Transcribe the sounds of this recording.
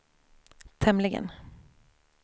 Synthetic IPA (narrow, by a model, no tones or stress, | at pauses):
t̪ʰɛmlɪɡə̰n